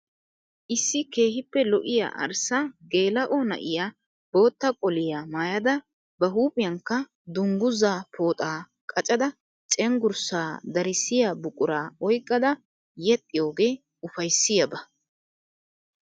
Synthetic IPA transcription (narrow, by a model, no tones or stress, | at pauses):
ʔɪsːɪke̞ːhɪpːɛlɔʔɪja̰ːʔɐ̰ɾsaɡe̞ːlɐʔonɐ̰ʔɪjaː | b̥o̞ːt̪ːɐkʼɔlɪjaːmaːjɐd̪ɐ | bɐɦuːpʼɪjɐŋkːɐ | d̪ʊŋɡʊzaːpʰo̞ːt̪ʼaː | kʼɐt͡ʃʼɐd̪ɐ | t͡ʃʼɛŋɡʊɾsaːd̪ɐɾɪsɪjaːbʊkʼʊɾaːɔjkʼːɐd̪ɐ | jɛt̪ʼːɪjo̞ːɡe̞ː | ʊfɐjsːɪjɐbɐ